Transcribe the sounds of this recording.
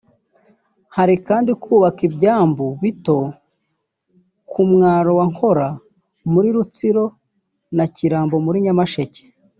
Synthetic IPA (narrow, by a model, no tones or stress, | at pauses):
haɾikaːndikʰuːβakibɟaːmbuβito̞ | kumŋaːɾo̞waŋ̥ho̞ɾa | muɾiɾut͡siɾo̞ | naciɾaːmbo̞muɾiɲamaʃe̞ce̥